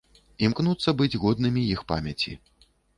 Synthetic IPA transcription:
imknut̪sːɐbɨd͡zʲɣɔd̪̚nɨmʲijixpa̰mʲɐt͡sʲḭ

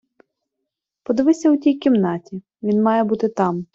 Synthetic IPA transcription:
pɔd̪ɪʋɪsʲɐwtʲijkʲimnɑtʲi | ʋʲinmɑjɛbut̪ɪt̪ɑm

